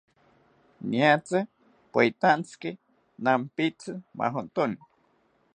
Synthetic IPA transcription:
niat͡se | pait̪ant͡ski | nampit͡sɨma̰ɦont̪oni

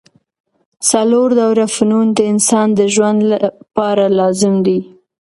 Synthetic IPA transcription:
saloɾd̪awɾafnund̪əɪnsɑnd̪əʒwand̪lapɑɾalɑzɪmd̪i

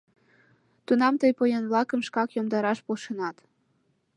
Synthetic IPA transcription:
t̪unɑmt̪ɤjpojenβlɑkəmʃkɑkjomd̪ɑɾɑʃpolʃenɑt̪

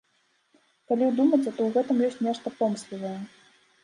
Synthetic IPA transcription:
kalʲiwd̪umɐt͡sʲɛt̪ɔwɣɛt̪ɨmjɔsʲtʲnʲɛʂt̪ɐpɔmslʲivɐjɛ

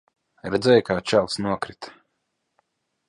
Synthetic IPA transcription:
ɾɛd̪zʲɛjkaːt͡ʃawt̪snuɔkɾit̪

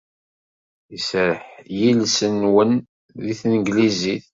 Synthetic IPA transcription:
isɾəħjilsənwən | ðiθnəɡliziθ

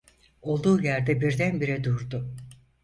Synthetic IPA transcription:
o̞lˠd̪uːjæɾd̪ɛbiɾd̪ænbiɾɛd̪uɾd̪ʊ

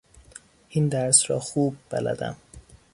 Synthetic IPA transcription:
ʔind̪æɾsɾɒːxuːb̚ːæ̰læ̰d̪æ̰m

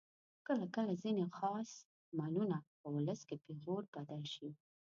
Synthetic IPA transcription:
kəlakəlazinexɑs | mɑlunapəwʊləskepeɣoɾbad̪ɑʃi

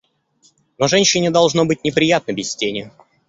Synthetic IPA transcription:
noʐɛnʲɕɪnʲɪd̪ɐlˠʐnobɨtʲnʲɪpɾʲɪjat̪̚nəbʲɪsʲsʲtʲenʲɪʊ

